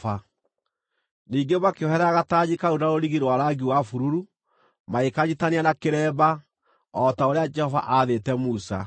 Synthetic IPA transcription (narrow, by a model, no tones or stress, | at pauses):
a | niːŋɡemakeɔhɛɾaaɣataɲikaunaɾoɾiɣiɾwaɾaɡiwafuɾuɾu | maekaɲitaneanakeɾɛːba | ɔtaoɾead͡ʒɛhɔva̰ʔaðetɛmusa̰